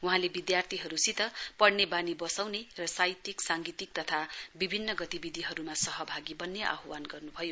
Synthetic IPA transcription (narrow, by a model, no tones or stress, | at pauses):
wuɦãlebid̪jart̪ʰiɦʌɾusit̪ʌpʌɽnebanibʌsawnerʌsajt̪iksaŋɡit̪ik̚t̪ʌt̪ʰabibʱinːʌɡʌt̪ibid̪ʱiɦʌɾumasʌɦʌbʱaɡibʌnːjeʔa̰ɦwanɡʌrnubʱʌjo